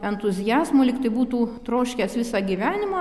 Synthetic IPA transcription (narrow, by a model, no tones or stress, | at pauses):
ɛnt̪ʊzʲɪjæːzmoːlʲɪkt̪ɐɪbuːt̪uːt̪ɾoːʃʲkʲeːsʋʲɪsɑɡʲiʋʲæːnʲɪmɑ